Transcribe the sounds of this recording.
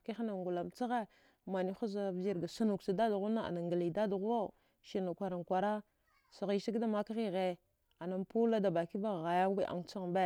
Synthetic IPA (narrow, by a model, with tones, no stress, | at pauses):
ki˦xa˦na˨ŋɡu˨la˨mt͡sa˦ɣe˦ | ma˨ni˦xu˦za˦vd͡ʒi˦ɾɡa˨sa˦nu˨ksi˨da˦da˨ɣu˦na˦a̰˨na˨ŋɡa˨li˨da˦da˨ɣwa˦ | ʃi˨na˨kʷa˨ɾa˨nkʷa˨ɾa˦ | sa˨ɣi˨si˦ɡda˦ma˦ka˦ɣi˦ɣe˨ | a˨na˨mpu˦la˦da˨ba˨ki˦ba˦˨ɣa˨ja˦wi˦ʔa̰˨ŋt͡sa˦ɣmbe˦˨